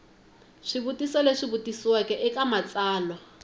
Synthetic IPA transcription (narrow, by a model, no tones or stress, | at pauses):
ʂiβutisɔleʂiβutisiwakʼɛʔɪkʼamat͡sʼaːlwa